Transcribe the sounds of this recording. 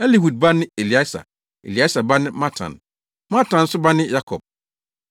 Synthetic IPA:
ɛ˦li˦˨hu˨d̚ba˦nɪ̃˦e˨li˨a˦sa̰˨ | ḛ˨li˨a˦sa˨ba˦nɪ̃˦mã˦tʰã̰˨n | mã˦tã˨n̩˦sʊ˦ba˦nɪ̃˦ja˦kʰɔ̰˨b̥̚

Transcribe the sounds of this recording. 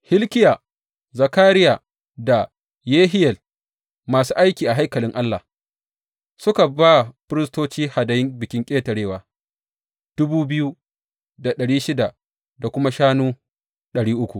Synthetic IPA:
hɪ˦lkʲɪ˦jaː˨ | zɐ˨kaː˦ɾɪ˦jaː˨ | da˨ | jeː˦ɦɪ˦jɛ˨l | maː˨suː˦ʔa˦jkʲiː˨ʔa˨ɦa˦jkɐ˨lɪ˦ŋʔa˦lːa˨ | sʊ˦ka˨baː˦˨ɸɪ˦ɾɪ˦stoː˦t͡ʃiː˦ha˨dɐ˨jɪ˦ŋbɪ˨kʲɪ˦ŋkʲʼeː˦tɐ˨ɽeː˦waː˨ | d̥ʊ˦buː˦bɪ˦ju˦ | da˨ɗɐ˨ɽiː˦ʃɪ˦da˨ | da˨kʷʊ˦ma˦ʃaː˦nuː˦ | ɗɐ˨ɽiː˦ʔʊ˦kʷu˨ʔ

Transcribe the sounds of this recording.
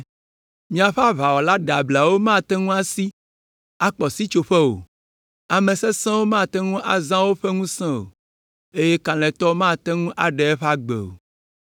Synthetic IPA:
mĩ˦ã˨ɸa˦βa˨wɔ˨la˦ɖa˨bla˨wo˦mã˦˨t̪ɛ˦ŋũ˦a˦si˦ | a˦k͡pɔ˨si˦t͡ʃo˨ɸɛ˦o̰˨ | a˨mɛ̃˨sɛ˦sɛ̃˦wo˦mã˦˨t̪ɛ˦ŋũ˦ʔa˨zã˦wo˦ɸɛ˦ŋũ˦sɛ̃˦o̰˨ | e˦je˦kã˨lɛ̃˨t̪ɔ˦mã˦˨t̪ɛ˦ŋũ˦ʔa˨ɖɛ˨ɛ˦ɸa˦ɡ͡bḛ˨o̰˨

